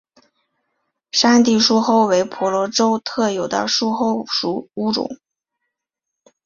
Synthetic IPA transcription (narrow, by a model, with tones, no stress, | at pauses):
ʂa˥nt̪̬i˥˩ʂu˥xo˥˩ʊwe˧˥ɪpʰɔ˧˥lwɔ˧˥ʈ͡ʂo˥ʊt̪ʰɤ˥˩jo˨˩ʊd̪ə̰˦ʂu˥xo˥˩ʊʂu˧˥u˧˥ʈ͡ʂʊ̰˨˩˦ŋ